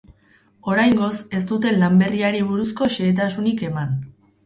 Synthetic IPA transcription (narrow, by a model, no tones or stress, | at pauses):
o̞ɾajŋɡo̞se̞st̪ut̪e̞nlambe̞riaɾiβ̞uɾusko̞ʃe̞ːt̪̬asunike̞man